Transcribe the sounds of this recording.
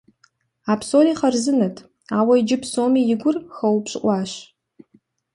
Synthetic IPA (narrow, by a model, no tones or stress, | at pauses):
aːpsoːliːχɐrzɨnɐtʰ | aːwɐid͡ʒɪpsoːmiːjɪɡʷʊrxɐwpɕʼɪʔʷɑːɕ